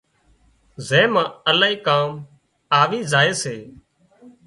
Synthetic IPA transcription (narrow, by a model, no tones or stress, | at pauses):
zẽːmãːəlaːiːkaːm | aːʋiːzaːeːseː